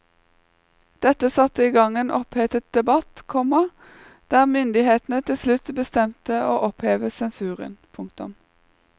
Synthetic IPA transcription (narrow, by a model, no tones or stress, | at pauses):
d̪̥ɛt̪əsɑt̪əiːɡɑŋeːnʔɔpheːt̪ət̪̚d̪̥ɛbɑt̪kʰɔmɑ | d̪̥æːʁmʏnd̪ɪheːt̪n̩ət̪ʰɪlslʉt̪bəst̪ɛmt̪əoːʔɔpheːʋəsɛnsʉːʁə̰npʰʊŋk̚t̪ʊ̰m